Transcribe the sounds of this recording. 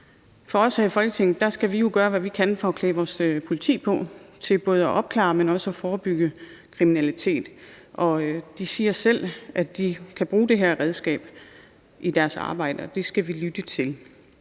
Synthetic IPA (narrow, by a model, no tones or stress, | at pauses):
fɒ̽ɒ̽sæfɒ̽l̰ɡ̥ət͡sʰeŋ̰d̥ɑ̈sɡ̥æʋijo̝ɡ̥ɶːɐʋæʋikʰænfɒɒkʰlɛːʋɒːspʰo̝lit͡sʰḭːpʰɒ̽t͡sʰe̝lb̥ɔ̽ːð̞ˠɒʔɒ̽b̥̚kʰlɑ̰̈ːmenɒ̽səɒfɒːb̥yɡ̥ə | kʰʁiminælit͡sʰe̝̰ːd̥ | ʔɒ̽d̥isiːɐsel̰ʔæd̥ikʰæb̥ʁuːd̥e̝ɦeɐ̰ʁɛð̞ˠsɡ̥ɛ̰ːb̥ | ʔid̥æɐsɑ̈ːb̥ɑ̈ɪ̰d̥əɒd̥e̝sɡ̥æʋilyd̥ət͡sʰe̝l